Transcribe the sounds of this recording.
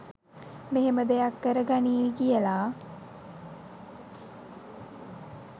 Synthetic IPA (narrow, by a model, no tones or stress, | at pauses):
meɦeməd̪ejakːəɾəɡaniːɡijəlaː